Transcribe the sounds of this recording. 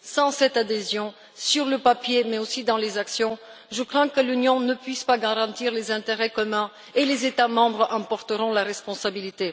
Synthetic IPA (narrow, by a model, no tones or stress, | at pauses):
sɑ̃sɛt̪ad̪ezjɔ̃ | syʁləpapjemɛosid̪ɑ̃lezaksjɔ̃ʒəkχɛ̃kəlynjɔ̃nəpɥispaɡaʁɑ̃t̪iʁlezɛ̃t̪eʁɛkɔmɛ̃ | elezet̪amɑ̃bʁʔɑ̃pɔʁt̪əʁɔ̃laʁɛspɔ̃sabilit̪e